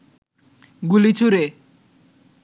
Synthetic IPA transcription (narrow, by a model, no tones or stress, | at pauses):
ɡulit͡ɕʰuɾe